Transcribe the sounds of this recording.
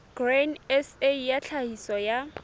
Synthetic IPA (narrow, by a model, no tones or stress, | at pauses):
ɡ̥renɛsejat͡ɬʰahisɔja